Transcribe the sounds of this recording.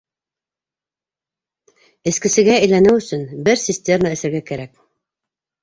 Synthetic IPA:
ɘ̆skɘ̆sɘ̆ɡæɘjlænɘwɵ̆sɵnbɘɾsʲisʲt̪ʲemaɘ̆sɘ̆ɾɡækæɾæk̚

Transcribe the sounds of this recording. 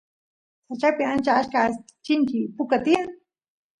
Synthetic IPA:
sat͡ʃapɪant͡ʃaaʃka | t͡ʃɪŋkɪpʊkat̪ia

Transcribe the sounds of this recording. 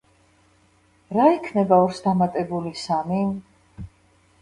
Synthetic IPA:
ɾaikʰnɛbaɔɾsd̪amat̪ʼɛbulisamin

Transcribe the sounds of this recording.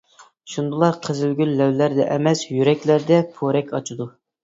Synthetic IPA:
ʃund̪ulˠɑɾqʰəzɪlɡʲyllæwlæɾd̪ɛ̰ʔɛmɛsjyɾɛkʲlæɾd̪ɛpʰoɾɛkʲɑt͡ʃʰud̪u

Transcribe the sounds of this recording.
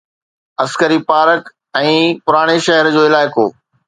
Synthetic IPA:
ɐskəɾipaːɾək | ɛ̃ːpʊɾaːɽ̃eʃɐɦəɾd͡ʑoːɪlaːɪko̰ː

